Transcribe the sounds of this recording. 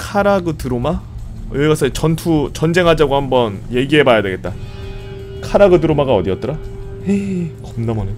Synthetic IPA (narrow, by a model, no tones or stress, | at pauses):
kʰaɾaɡɯtɯɾoma | jeɡas͈ʰʌt͡ɕʌntʰut͡ɕʌnd͡ʑe̞ŋɦad͡ʑaɡohambʌnje̞ɡiɦe̞bajadwe̞ɡe̞t̚t͈a | kʰaɾaɡɯdɯɾomaɡaʌdiʌt͈ʌɾa | ekʌmnamʌne